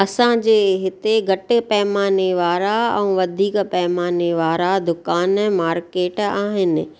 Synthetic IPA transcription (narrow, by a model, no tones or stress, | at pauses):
ɐsãd͡ʑeːɦɪt̪eɡʱɐʈɪ̆pɐɦmaːneʋaːɾaɛ̃ʋɐd̪ʱiːkpɐɦmaːneʋaːɾad̪ʊkaːnɛ̃maːɾkeːʈaːɦɪnɪ̰̆